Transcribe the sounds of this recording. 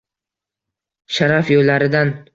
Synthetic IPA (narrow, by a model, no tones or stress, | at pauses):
ʃaɾafjolːaɾɪd̪an